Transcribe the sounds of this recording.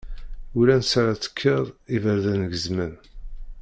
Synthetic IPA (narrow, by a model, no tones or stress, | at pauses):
ulænsaɾat͡sːə̥kʰːeðˤivəɾðænəɡəzmən